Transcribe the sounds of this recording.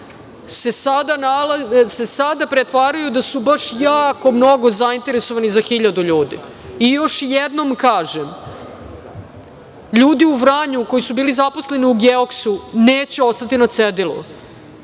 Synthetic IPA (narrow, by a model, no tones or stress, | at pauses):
sesad̪analase̞sad̪apɾet̪ʋaːɾajud̪asubaʂjaːko̞mno̞ɡo̞zaint̪e̞ɾe̞soʋanizaxiʎad̪uʎuːd̪ḭ | ijo̞ʃjed̪no̞mkaːʒem | ʎuːd̪iuʋɾaːɲuko̞jisubiːlizaposle̞niuɡeoksuneːt͡ɕe̞o̞st̪at̪inat̪sed̪ilṵ